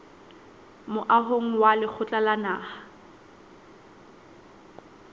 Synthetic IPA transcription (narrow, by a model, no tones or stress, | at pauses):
mʊʔaɦoŋ̩walɪk͡xʰʊt͡ɬʼalanaːha